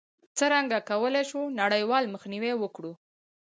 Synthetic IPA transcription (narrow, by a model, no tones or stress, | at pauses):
t͡səɾaŋɡakawəleʃunaɽəjwɑlməxniwewəkɽu